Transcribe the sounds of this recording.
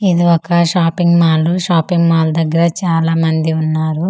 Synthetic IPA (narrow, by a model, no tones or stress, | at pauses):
id̪iɔkɐʃaːpiŋɡmaːluʃaːpiŋɡmaːlud̪ɐɡːɐɾɐt͡ʃaːlaːmɐnd̪iunːaːɾu